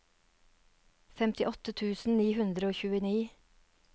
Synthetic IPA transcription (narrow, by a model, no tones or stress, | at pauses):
fɛmt̪ɪʔɔt̪ət̪ʰʉːsn̩niːhʉnd̪ɾəoːçʉːəniː